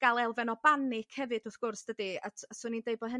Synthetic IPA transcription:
ɡ̥alˠɛlˠvɛnɔbanɪkʰhɛvɨdʊθɡ̥ʊrsd̥ədia̰tʰasuːnindeɨbɔɦə

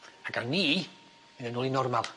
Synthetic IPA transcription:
aɡarniː | ənənuːlˠinɔrmalˠ

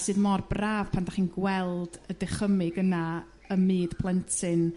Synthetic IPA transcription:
sɨːðmɔrbraːv̥pʰandaχiːnɡwɛlˠd̥ədɪχəmɨɡəna | əmɨːdpʰlˠɛntʰɨn

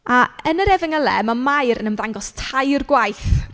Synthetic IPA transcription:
ʔaənəɾɛvɪŋəlˠɛ̰mamajɾənəmðaŋɡɔstʰajrɡwajθ

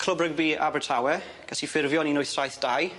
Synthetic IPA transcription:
kʰl̥ˠəbrəɡ̚bia̰bətʰawɛ | ɡ̥asifɪrvjɔninʊjθrajθd̥aj

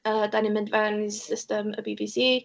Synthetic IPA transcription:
ədanɪmɪndvansɪstəmə̰bivisi

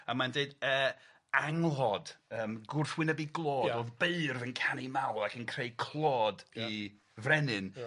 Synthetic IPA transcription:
amandeɨdəː | aŋlˠɔdəːmɡʊrθwɪnəbiɡlˠɔːoðbeɨrvənkʰanimawlˠakʰənkʰreɨkʰl̥ˠɔːdi | vrɛnɨn

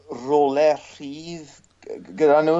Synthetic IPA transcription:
rolɛr̥iːð | ɡədanuː

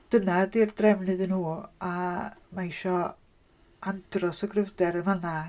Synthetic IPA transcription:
d̥ənadirdrɛmnɨðənhuːamaiʃɔ | and̥rɔsɔɡrəvdɛɾəvana

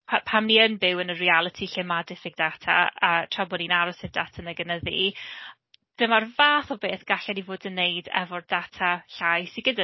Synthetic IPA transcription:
pʰapʰamniənbɪwənərialˠətʰiɬɪmadɪfɪɡ̚datʰa̰atʰrabɔninaɾɔsɪdatʰanəɡənəðḭ | d̥əmarvaːθɔbeːθɡ̥aɬɛnivoːdənːejdɛ̰vɔrdatʰaɬajsiɡəda

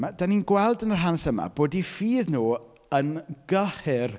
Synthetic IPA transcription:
madaninɡwɛlˠdənər̥ɦansəma̰b̥oːdifiːðnuː | ənɡəχɪr

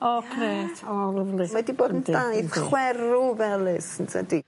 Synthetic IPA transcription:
ɔkʰɾeːtʰɔləvlɪmadiboːdənddajθχwɛɾuvɛlˠɨsɪntʰa̰di

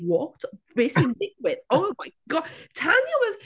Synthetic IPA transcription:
wɔtbɪsɪ̃ndɪɡwɪtoʊmaɪɡ̥ɔ̥tʰanjəwɒz̥

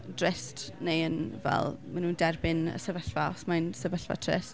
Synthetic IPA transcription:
drɪstnejənvɛ̰lˠmanuːndɛrbɪnə̰sɛvəɬvaɔχsmajnsɛvəɬva̰tʰrɪ̰s

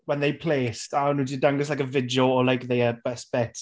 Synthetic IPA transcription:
wɛ̃nðeɪpʰl̥estanudidaŋɡɪslajkəvɪdiəɔlajkðejəbɛsb̥ɛt

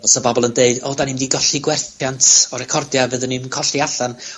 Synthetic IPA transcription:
ɔsɔbɔbɔlˠəndeɨdɔːdanimdiɡɔɬiɡwɛrθjantʰɔɾɛkʰɔrdjavəðənimkʰɔɬiaɬan

